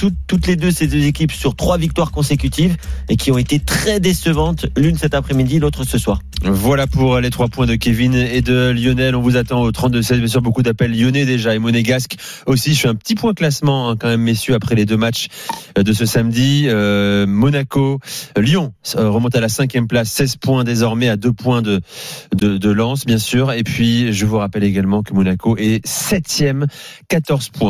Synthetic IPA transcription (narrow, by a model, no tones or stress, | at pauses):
t̪uut̪led̪øsed̪øzekʲipsyʁt̪χwavik̚t̪waʁkɔ̃sekʲyt̪ivekʲiɔ̃et̪et̪χɛd̪esəvɑ̃t̪lynsɛt̪apχɛmid̪ilot̪χəsəswaːʁvwalapuʁlet̪χwapwɛ̃d̪əkʲevined̪əljɔnɛlɔ̃vuzat̪ɑ̃ot̪χɑ̃t̪̚d̪əsɛzbjɛ̃s̬yʁbokud̪apɛlːjɔnɛd̪eʒaemɔneɡask | osiʃiɛ̃pə̥t̪ipwɛ̃klasmɑ̃ɛ̃kɑ̃mɛmːesjøapχɛled̪ømat͡ʃd̪əsəsamd̪iømɔnakoljɔ̃ʁəmɔ̃t̪alasɛ̃kʲjɛmplasːɛzpwɛ̃d̪ezɔʁmɛad̪øpwɛ̃d̪əd̪əd̪əlɑ̃sbjɛ̃syːʁepɥiʒəvuʁapɛleɡalmɑ̃kəmɔnakoʔɛsɛt̪jɛmkat̪ɔʁzpwɛ̃